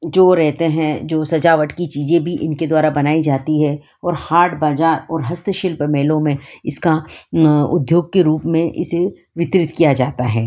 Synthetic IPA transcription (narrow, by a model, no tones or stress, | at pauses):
d͡ʒoːɾɛɦt̪eɦɛ̃d͡ʒoːsɐd͡ʒaːʋəʈkit͡ʃiːzẽbʱiʔɪnked̪waːɾabɐnaːid͡ʒaːt̪iɦɛ | ɔːɾhaːɾʈbaːzaːɾɔːɾɦɐst̪əʃɪlpəmeːlõmẽɪska | ʊ̰d̪ʱjoːɡ̚keɾuːpmẽʔɪ̰se | ʋɪt̪ɾɪt̪kijad͡ʒaːt̪aɦɛː